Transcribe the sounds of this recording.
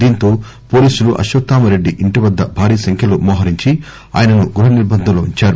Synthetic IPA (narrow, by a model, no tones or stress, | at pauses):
d̪iːnt̪o̞ː | po̞ːliːsuluʔɐ̰ʃʋɐt̪ːaːmɐɾe̞ɖːiʔiɳʈiʋɐd̪ːɐbʱaːɾiːsɐŋkʰjɐlumɔːɦɐɾiɲt͡ʃi | a̰ːjɐnɐnuɡuɾɦɐniɾbɐnd̪ʱɐloːiɲt͡ʃaːɾu